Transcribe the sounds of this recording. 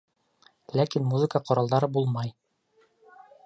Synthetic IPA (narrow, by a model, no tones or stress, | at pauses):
lækinmuzɨkəqŏɾɑlˠd̪ɑɾɤbulˠmɑj